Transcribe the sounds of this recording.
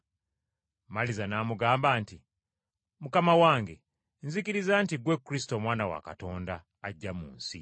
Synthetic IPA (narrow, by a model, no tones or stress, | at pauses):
malizanamuɡaːmbaːnti | mukamawaːŋɡe̞ | nzikiɾizantiɡwekɾis̬i̥tomwaːnawa̰ka̰to̞ːndaː | ɟːamṵːnsḭ